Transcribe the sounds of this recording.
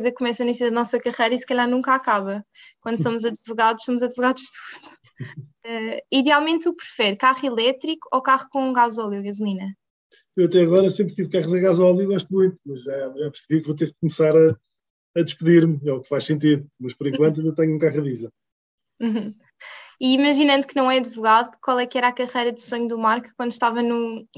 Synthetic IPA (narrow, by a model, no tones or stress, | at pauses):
jzɐkkːumɛsɐinisjuðɐnɔsɐkɐʁɐjɾɐisɨ̥kɐʎaɾnũŋkakaβɐkwɐ̃nd̪s̬omuzɐðvuɣaðuʃsomuzɐðvuɣaðuʃt̪u̥ðu̥ | ɛiðjalˠmẽnt̪uk̚pɾɨfɛɾkaʁilˠɛt̪ɾiku̥okaʁkõɡazɔlˠjuɣɐzulˠinɐ | ewɐt̪ɛɐɣɔɾɐsẽmpɾt̪ivkaʁɐzɐ̃ɣazɔlˠjuɣɔʃt̪̚mũj̪̃t̪umɐʒaʒapɨɾsβiɾkvot̪̬eɾkkːumsaɾɐ | ɐd̪ɨʃpɨðiɾmɛukfaʃsẽnt̪̬iðumɐʃpɔɾẽŋkwɐ̃nt̪uewt̪ɛɲũkaʁɐðizɐ̃ | ũ | iːmɐʒinɐ̃nd̪uknɐ̃w̃ɛɐd̪vuɣaðukwalˠɛkɛɾakɐʁɐjɾɐðɨsoɲuðumaɾkkwɐ̃nd̪ʃt̪avɐnu